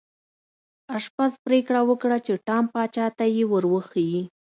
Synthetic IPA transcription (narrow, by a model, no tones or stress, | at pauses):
aʂpaspɾekɽawəkɽat͡ʃeʈɑmpɑt͡ʃɑt̪ajewəɾwəxaji